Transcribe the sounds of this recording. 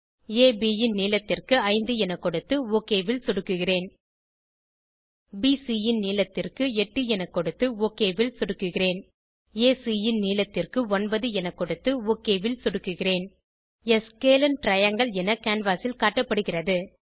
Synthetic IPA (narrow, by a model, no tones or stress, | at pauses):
eːbiːjɪnniːlɐt̪ːɪrkɯɐɪnd̪ɯɛnɐkːɔɽɯt̪ːɯoːkːeːʋɪlsɔɽɯkːɯɣɪreːn | biːsijɪnniːlɐt̪ːɪrkɯɛʈːɯɛnɐkːɔɽɯt̪ːɯoːkːeːʋɪlsɔɽɯkːɯɣɪreːn | eːsiːjɪnniːlɐt̪ːɪrkɯɔnbɐðɯɛnɐkːɔɽɯt̪ːɯoːkeːʋɪlsɔɽɯkːɯɣɪreːn | ɛskeːlɐnʈɾɐjɐŋɡɐɭɛnɐkaːnʋaːsɪlkaːʈːɐpːɐɽɯɣɪrɐðɯ